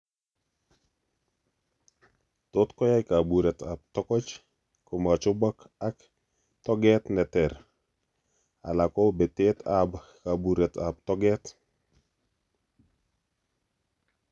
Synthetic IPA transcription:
tot̪kɔ˦ja˦ɪka˨buɾɛ˨ta˨p̚tɔ˦kɔ˦t͡ʃ | koma˨t͡ʃo˦ba˦k | a˦k | tɔ˦ɡɛt̪nɛtɛɾ | a̰˨la˨kɔ˦be˨tet̪ʰab | ka˨buɾɛ˨ta˨b̚t̪ɔ˦ɡɛ˦t

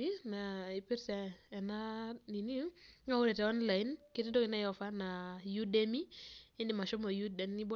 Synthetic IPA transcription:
i˦na˨i˨pi˦ɾsɛː˨na˦ni˨ni˦ŋa˦ʊ˦ɾɛ˨tɛ˨ɔ˦nla˨i˦nke˦te˦do˦kɪ˦na˦jɔ˨fa˦na˨ju˦de˦mi˦ɪ˦ndɪ˨ma˨ʃo˦mo˨ju˦dɛ˨ni˦bo˦

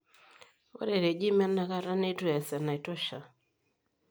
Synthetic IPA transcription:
ɔ̰˦ɾɛ˨ɾɛ˨d͡ʒi˦ma˦na˦ɣa˦ɾa˦nɛ˦tu˦a˨sa˨na˨i˨tɔ˦ʃa˨

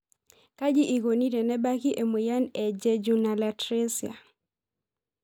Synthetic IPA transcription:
ka˦d͡ʒi˦ʔi˨ɡo˨ni˦ɾɛ˨nɛ˦ba˦ki˦ʔe˨mu˨ja˦nɛ˨d͡ʒe˦d͡ʒu˨na˨la˨tɾe˦si˨a̰˨

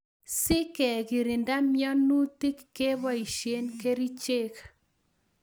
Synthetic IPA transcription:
sɪ˦kɛ˨ki˨ɾi˨nda˦mjɔ˦nu˦ti˦kːe˦βɔ˦i˨ʃe˦nke˦ɾi˦t͡ʃe˦k

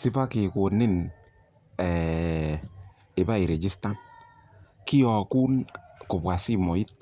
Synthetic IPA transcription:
si˦pa˦kɪ˨ko˨nɪ˦n | ɛ˨ | ɪ˨ba˦i˨ɾe˨d͡ʒi˦sta˦n | ki˦ɔ˨ku˦nkʊ˨bwa˨si˦mo˨i˦t̚

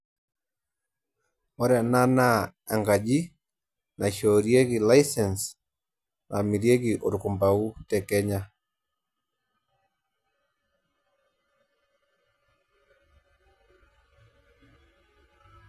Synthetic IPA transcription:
wɔ˦ɾɛ˨na˦na˦a˨ŋɡa˨d͡ʒi˦ | na˨ʃo˨ɾje˦ɡi˨la˦jsɛ˨ns | na̰˨mi˨ɾje˦ɡi˨ʔo˨ɾkʊ˨mba˨u˦tɛ˨kɛ˦ɲa˦

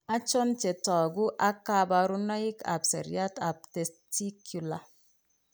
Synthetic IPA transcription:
a˦t͡ʃo˦nt͡ʃe˨tɔ˨ɡu˦ʔa˦ka˦ba˨ɾu˦nɔ˦i˦ka̰˨psḛ˨ɾa˦ta˨p̚te˨sti˦kʰju˨la˨

